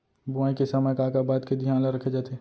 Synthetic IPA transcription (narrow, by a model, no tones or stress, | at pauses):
bʊaːĩkesɐməjkaːkabaːd̪ked̪ʱijãːnlaɾɐkʰed͡ʒaːt̪eː